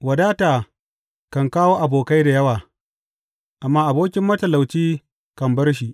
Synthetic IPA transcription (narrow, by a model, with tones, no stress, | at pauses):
wɐ˨daː˦taː˨ | kɐ˨ŋkaː˦woː˦ʔa˨boː˨ka˦jda˨jɐ˦waː˨ | ʔa˨mːaː˦ʔa˨boː˦kʲɪ˦mːɐ˦tɐ˨la˨wt͡ʃiː˦ | kɐ˨mbɐ˦rʃ̬i˨ʔ